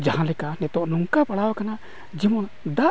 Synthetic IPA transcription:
d͡ʒahãlɛkanɛt̪ɔʔnuŋkapaɽawakana | d͡ʒimɔn | d̪aʔ

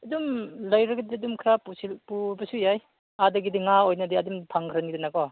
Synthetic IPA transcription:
ɐdumlajɾaɡidiadumkʰɾapusilpubasujaj | adɯɡidiŋaojnadiadumtʰaŋkʰɾanɡidinakɔ

